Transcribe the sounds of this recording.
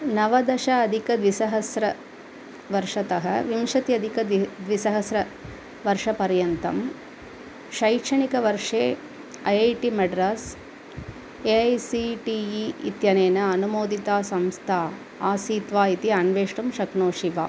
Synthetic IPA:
nɐʋɐd̪ɐʃɐːd̪ʱikɐd̪ʋisɐɦɐsɾɐ | ʋɐɾʂɐt̪ɐɦɐ̰ʋimʃɐt̪ijɐd̪ʱikɐd̪d̪ʋisɐɦɐsɾɐ | ʋɐɾʂɐpɐɾjɐnt̪ɐ̰m | ʃɐjkʂɐɳikɐʋɐɾʂeː | ɐjɐjʈimɐɖɾɐs | eɐjsiʈiiit̪jɐneːnɐɐnumoːd̪it̪aːsɐmst̪ʰaː | aːsiːt̪ʋaːit̪iaɳʋeːʂʈumʃɐknoːʂiʋa̰ː

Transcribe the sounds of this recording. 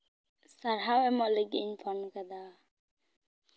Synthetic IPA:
saɾɦawɛmɔʔleɡiɲpʰɔnkad̪a

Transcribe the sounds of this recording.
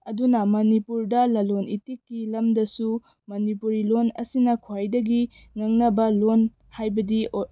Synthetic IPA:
ɐdunɐmɐnipuɾdɐlɐlonitikːilɐmdɐsu | mɐnipuɾilonɐ̰sinɐkʰwajdɐɡi | ŋɐŋnɐbɐlon | hajbɐdi

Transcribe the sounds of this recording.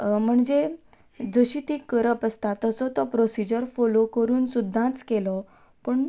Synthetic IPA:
m̤əɳd͡ze | d͡zəɕit̪ikəɾəpəst̪at̪əsɔt̪ɔpɾosid͡ʑəɾfolokəɾuːnsud̪ʱːãt͡skelɔ | pəɳ

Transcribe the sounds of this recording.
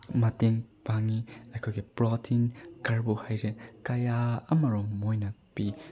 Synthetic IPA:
mɐteŋpaŋiɐjkʰojɡipɾɔtʰinkaɾbuhajɾekɐjaɐmɐɾɔŋːojnɐpi

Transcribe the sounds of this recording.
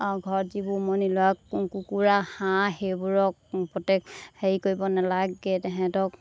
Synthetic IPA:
ɡʱɔɹzibumonilɔakkukuɹahãhebuɹɔk̚pɹɔtekheɹikoɹibɔnalaɡɛtɛɦɛ̃tɔk̚

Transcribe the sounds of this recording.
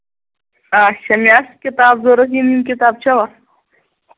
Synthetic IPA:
aːɕɐmjaːskɪt̪aːbzoːɾɐsinimkɪt̪aːb̚t͡ɕʰɐwa

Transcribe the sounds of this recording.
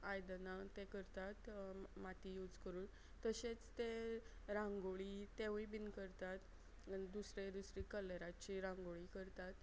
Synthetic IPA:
ajd̪nat̪ekəɾt̪at̪mat̪ijuːd͡zkəɾuːn | t̪əɕet͡st̪e | ɾãŋɡoɭit̪eʋibinkəɾt̪at̪ | d̪usɾed̪usɾikəleɾat͡ɕiɾãŋɡoɭikəɾt̪at̪

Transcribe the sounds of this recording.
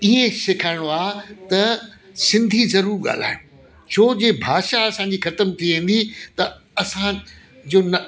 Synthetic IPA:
ɪɦesɪkʰaːɪɽ̃oaːt̪ɐ | sɪ̃nd̪ʱizɐɾuːɾɠa̰ːl̤a̰ːɪɽ̃ʊ̃ | t͡ɕʰoːd͡ʑeːbʱaːʃaɐsãːɲd͡ʑixɐt̪əmt̪ʰiʋẽːn̆d̪it̪ɐ | ɐsã | d͡ʑoːnɐ

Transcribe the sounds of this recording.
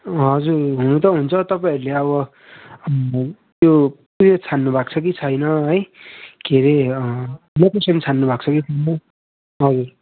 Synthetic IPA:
ɦʌd͡zurɦunut̪ʌɦunt͡sʰʌt̪ʌpaĩʌɾuleʌβʌ | t̪jopuɾet͡sʰanːubʱakt͡sʰʌk̬it͡sʰʌjnʌɦʌjkʰeɾe | lokesʌnt͡sʰanːubʱak̚t͡sʰʌkit͡sʰʌjnʌ | ɦʌd͡zur

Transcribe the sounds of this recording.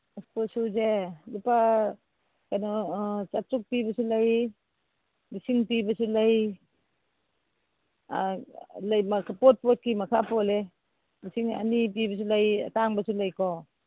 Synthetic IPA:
sposuzelupa | kanɔt͡ʃatɾuk̚pibɐsulaj | misiŋpibɐsulaj | lajmakʰapot̚pɔt̚kimɐkʰapɔle | misiŋa̰nip̬ibɐs̬ulaja̰taŋbasulajkɔ

